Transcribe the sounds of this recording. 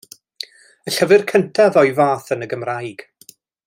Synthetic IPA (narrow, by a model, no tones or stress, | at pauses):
əɬəvɨrkʰəntʰaðɔjvaːθənəɡəmrajɡ̥